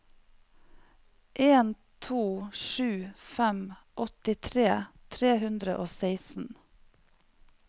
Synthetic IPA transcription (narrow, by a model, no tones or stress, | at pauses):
ʔeːn | t̪ʰuːʃʉːfɛmʔɔt̪ɪt̪ʰɾeːt̪ʰɾeːhʉnd̪ɾə̰ʔoːseɪsn̩